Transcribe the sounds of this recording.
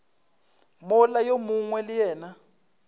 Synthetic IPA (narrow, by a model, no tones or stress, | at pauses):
mɔlajomuŋwɛlijɛːna